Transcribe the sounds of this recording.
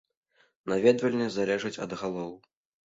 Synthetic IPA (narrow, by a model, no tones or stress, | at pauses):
navʲɛd̪vɐlʲnʲɛzalʲɛʐɐt͡sʲɐ̰d̪ɣalˠɔw